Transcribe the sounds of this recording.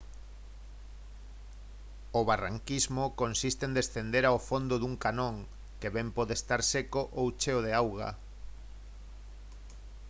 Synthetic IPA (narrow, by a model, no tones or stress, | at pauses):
oβara̰ŋkizmokonsist̪end̪esθend̪eɾaofond̪oðuŋkanõŋ | keβɛmpɔðest̪aɾsekoʔowt͡ʃeoð̞eawɣa̰